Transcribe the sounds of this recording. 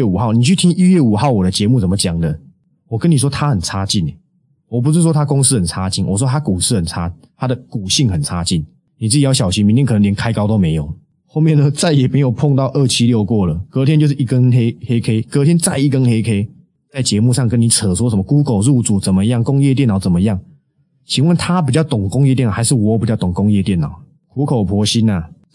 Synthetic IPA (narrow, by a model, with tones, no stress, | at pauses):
u˨˩xɑ˥˩ʊni˨˩t͡ɕʰy˥˩t̪ʰi˦ŋi˥ɥɛ˥˩u˨˩xɑ˥˩ʊwɔ˨˩d̪ə˦t͡ɕjɛ˧˦mu˥˩t͡sə˨˩mə˦t͡ɕja˨˩ŋd̪ə˦ | wɔ˨˩kə˦nːi˨˩ʂwɔ˥t̪ʰa˦xə˨˩nt͡sʰa˥t͡ɕi˥˩nḛ˨˩ | wɔ˨˩p̬u˧˥s̬̩˥˩ʂwɔ˥t̪ʰa˥kʊ˦ŋsɹ̩˥xə˨˩nt͡sʰa˦t͡ɕi˥˩nwɔ̰˨˩ʂwɔ˦t̪ʰa˥ku˨˩sɹ̩˥xə˨˩nt͡sʰa˥ | t̪ʰa˦˥d̪ə˨ku˨˩ɕi˥˩ŋxə˨˩nt͡sʰa˦˥t͡ɕi˥˩n | ni˨˩t͡sɹ̩˥˩t͡ɕi˨˩jɑ˥˩ɕjɑ˨˩ʊɕi˧˦ŋmi˧nt̪jkʰnə˧ljnkʰa˥ɪkɑ˥ʊt̪o˥ʊmẽ˧˥ɪjo˨˩ʊ | xo˥˧ʊmjɛ˥˨nːə˧˦t͡sa˥˩ɪjɛ˨˩me˧˥jo˨˩ʊpʰɔ˥˧ŋt̪ɑ˥˧ʊʔə˥˩t͡ɕʰi˦ljo˥˧ʊkwɔ˥˩lə˩kɤ˧˥t̪ʰjɛ˦t͡ɕo˥˧ʊʂɻ̩˥˨i˥˧kə˦nxe˥ɪhe˦ɪkʰe˥ɪkɤ˧˥t̪ʰjɛ˥nt͡sa˥˧ɪi˥˩kə˦nxe˥ɪkʰe˥ɪ | t͡sa˥˩ɪt͡ɕjɛ˧˦mu˥˧ʂɑ˥˩ŋkə˦ni˨˩t͡sʰə˨˩swɔ˦˥ʂ̬ə˧˦mə˧ku˦ko˨˩ʊɻu˥˧t͡su˨˩t͡sə˨˩mə˨jɑ˥˩ŋkʊ˦ŋjɛ˥˧t̪̬jɛ˥˨nɑ˨˩ʊt͡sə˨˩nmə˦ja˥˩ŋ | t͡ɕʰi˨˩nwə˥˨nt̪ʰa˦p̬i˨˩t͡ɕjɑ˥˩ʊt̪ʊ˨˩ŋkʊ˧˥ŋjɛ˥˧t̪̬ɛ˥˩n˨˩a˧˦ɪʂɻ̩˥˩wɔ˨˦˨pt͡ɕt̪ɔ˨˩ŋkʊ˦˥ŋjɛ˥˧t̪jɛ˥˩nɑ˨˩˦ʊ | kʰu˧˥kʰo˨˩ʊpʰwɔ˧˥ɕi˦˥na˨